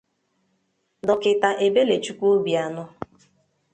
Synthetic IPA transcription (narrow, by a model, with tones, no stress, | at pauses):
dɔ˨kɪ˨ta˨ʔe˨be˦le˨t͡ʃu˦kʷo˦bi˨a˨nʊ˦